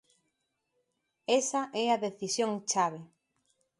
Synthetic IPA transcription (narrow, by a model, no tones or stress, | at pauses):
ɛsɐʔɛaðeθisjõŋt͡ʃaβ̞e